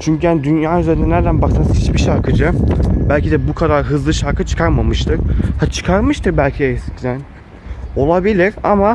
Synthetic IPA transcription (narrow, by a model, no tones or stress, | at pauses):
t͡ʃʰyɲcʰyhænd̪ynjaːyzeɾind̪ɛnæɾd̪ænbaksanshit͡ʃbiʃaɾkʰɯd͡ʒɯbælʲcʰid̪ɛbukʰad̪aɾɦɯzlˠɯʃaɾkʰɯt͡ʃʰɯ̥kʰaɾmamɯʃt̪ʰɯɾhat͡ʃʰɯ̥kʰaɾmɯʃt̪ʰɯɾbælʲcʰiɛscʰd̪æn | o̞lˠabilʲiɾa̰ma